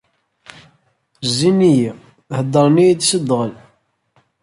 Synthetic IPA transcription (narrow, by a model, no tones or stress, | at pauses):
zːiniji | həd̪ːəɾˤnijd̪səd̪ʁəl